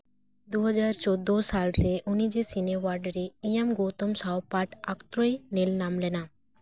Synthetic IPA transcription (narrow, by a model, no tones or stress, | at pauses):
d̪uɦɔd͡ʑaɾt͡ɕod̪ːosalɾeʔunid͡ʑesinewaɾɖɾeijamɡot̪omsawpaʈakt̪ɾojnelnamlena